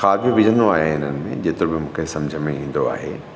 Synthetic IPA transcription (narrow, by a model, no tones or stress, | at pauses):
xaːbʱijoʋɪd͡ʑə̃nd̪oaːɦeɪn̤ənɪ̆mḛ̃d͡ʑeːt̪ɪɾobɪmũːkʰesɐ̃md͡ʑʱəmẽĩːn̆d̪oa̰ːɦeː